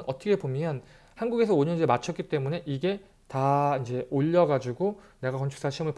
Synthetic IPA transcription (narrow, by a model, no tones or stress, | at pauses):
nʌt͈ʰʌkʰe̞pomjʌn | hanɡuɡe̞sʰʌoɲʌnd͡ʑeɭmat͡ɕʰʌtk͈it͈e̞mune̞ʔiɡe̞ | taind͡ʑe̞oʎːʌɡad͡ʑuɡo | ne̞ɡakʌnt͡ɕʰu̥ks͈aɕʰimɯɭp